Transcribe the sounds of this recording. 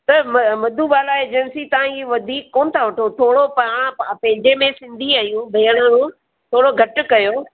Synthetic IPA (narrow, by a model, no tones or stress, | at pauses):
t̪ɐmmɐd̪ʱubaːlaeːd͡ʑənsit̪ɐʋãiʋɐd̪ʱiːkːoːnɪ̆t̪ʰaʋɐʈʰot̪ʰoːɽopɐɽ̃pɐ̃ɦɪ̃ɲd͡ʑemẽsɪ̃nd̪ʱiaːjũbʱeːjəɽ̃əɾũ | t̪ʰoːɽoɡʱɐʈʊkɐjo